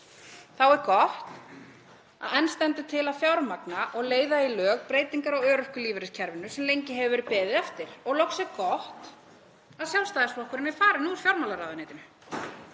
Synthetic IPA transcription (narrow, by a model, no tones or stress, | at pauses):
θawɛɾkɔht̪ | a̰ðɛnst̪ɛnt̪ʏt̪ʰɪlaðfjawɾmaknaʔɔɣleːjðailœːɣpɾeːjt̪iŋkaɾawœːɾʏhkʏliːvɪɾɪscʰɛɾvɪnʏsɛmlejɲcɪɦɛvʏvɛɾɪpɛːðɪðaft̪ɪɾ̥ɔɣlowxsɛɣkɔht̪ | aðsjawlst̪aːðsɔhkʰʏɾɪmɛfaːɾɪnuɾ̥fjawɾmalaɾaːðɪneːjt̪ɪn